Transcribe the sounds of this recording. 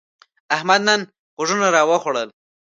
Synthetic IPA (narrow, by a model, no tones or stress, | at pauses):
ahmad̪nan | xoʐunaɾɑwəxoɽəl